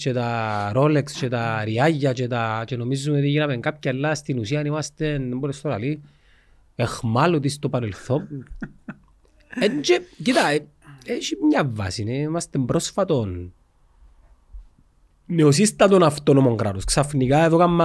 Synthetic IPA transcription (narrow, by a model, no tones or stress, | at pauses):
t͡ʃet̪aɾolekst͡ʃet̪aɾiaʝːɐt͡ʃet̪at͡ʃeno̞mizːumeot̪iʝinɐmeŋkap̚caɐelːast̪inusiɐnimɐst̪enembolest̪olɐ̰li | exmalot̪ist̪opɐɾelθo | eɲd͡ʒecit̪a | eʃimɲɐvːa̰sineimɐst̪embɾosfɐt̪o̞n | neosist̪ɐt̪onaft̪onomoŋɡɾat̪osksafnikaeðokamː